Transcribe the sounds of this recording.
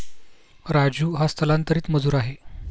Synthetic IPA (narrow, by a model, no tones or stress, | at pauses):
ɾad͡ʑuːɦast̪ʰəlant̪əɾiːt̪məd͡zuːɾaɦe